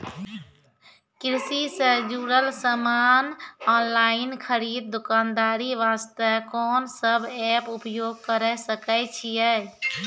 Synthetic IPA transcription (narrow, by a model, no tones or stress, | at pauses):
kɾɪsisə̃d͡ʒuːɾəlsəmaːnɔːnlainkʰəɾiːd̪̚ːukaːnd̪aːɾiʋaːst̪əkɔːnsəbʱɛpupjoːɡ̚kəɾəsəkət͡ʃʰijɛ